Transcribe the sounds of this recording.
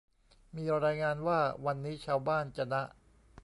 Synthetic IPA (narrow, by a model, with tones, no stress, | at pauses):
miː˧ɾaː˧jŋaː˧nwaː˥˩wa˧nːiː˦˥t͡ɕʰaː˧wbaː˥˩nt͡ɕa˧˩na˦˥ʔ